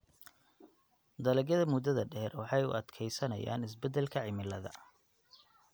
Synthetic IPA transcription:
d̪ɐlɛɡɐðɐmʊd̪ːɐðɐɖɛhrwɑħɑjʊ̰ʔɐd̪kʰɛjsɐnɐ̰ja̰ːnɪs̬bɛd̪ɛlkʰɐʕɪmɪlɐðɐ̰

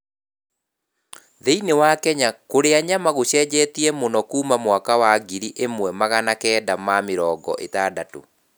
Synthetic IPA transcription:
ðeinewakɛɲakoɾeaɲamaɣoɕɛːd͡ʑɛːtiɛmonɔkuːmamwakawaɡiɾiʔemwɛmaɣanakɛːdamameɾɔːɡɔ̰ʔḛtaːdato̰

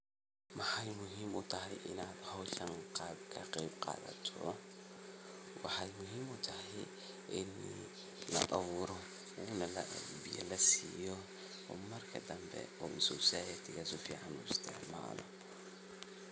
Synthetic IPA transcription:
wɑħɑjmʊɦiːmʊt̪ʰɐɦɛjʔɪnaːd̪hɐwɬɐŋqɑːbkʰɐqɛjbqɑ̰ːðɐ̰t̪ʰɔ | wɑħɑjmʊɦiːmʊt̪ʰɐɦɛj | ʔɪn | lɐ̰ʔɐβuːɾɔ | uːnɐlɐʔɛdbɪjɐ̰lɐsiːjɔ | ɔːmɐrkʰɐd̪ɐmbɛ̰ɔːʔɪsuwsaːjɐt̪ʰɪɣaːsʊfḭːʕɑnʊɪst̪ʰɪʕma̰ːlɔ̰

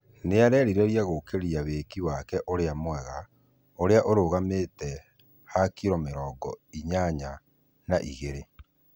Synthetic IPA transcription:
neaɾɛːɾiɾɛɾiaɣokeɾiaweːkiwakɛʔoɾeamwɛɣa | oɾeaʔoɾoːɣametɛ | hakiɾɔmeɾɔːɡɔ̰iɲaɲa | naʔḭɣeɾe

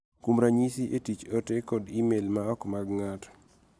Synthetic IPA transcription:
kumɾaɲisiʔetit͡ʃotekɔdimelmaɔkmaɡŋat

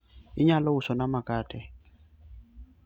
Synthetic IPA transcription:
iɲalɔusɔnamakʼaːtʼɛ

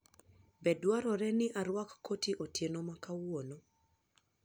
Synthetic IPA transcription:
bɛdwaɾɔɾɛnɪʔaɾwakːotiʔotjenomakawono

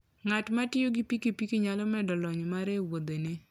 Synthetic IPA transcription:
ŋatmatɪjoɡipikipikiɲalɔmɛdɔlɔɲmaɾewod̪ene

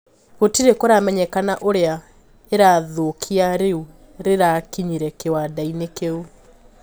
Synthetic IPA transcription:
ɣotiɾekoɾamɛɲɛkanaʔoɾea | eɾaðokʰiaɾeu | ɾeɾakiɲiɾɛkewadainekeu

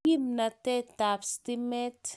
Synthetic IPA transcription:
imnat̪et̪apst̪imet̪

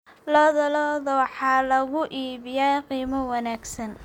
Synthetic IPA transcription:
lɔːðɐlɔːðɐwɑħɑːlɐɣʊʔiːβɪjɛqiːmɐwɑnaːɡsɐn

